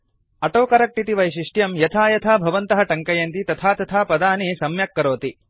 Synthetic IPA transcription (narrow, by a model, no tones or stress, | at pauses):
ɐʈoːkɐɾɐk̚ʈit̪iʋɐjʃiʂʈjɐmjɐt̪ʰaːjɐt̪ʰaːbʱɐʋɐnt̪ɐɦɐʈɐŋkɐjɐnt̪it̪ɐt̪ʰaːt̪ɐt̪ʰaːpɐd̪aːnisɐmjɐkːɐɾoːt̪i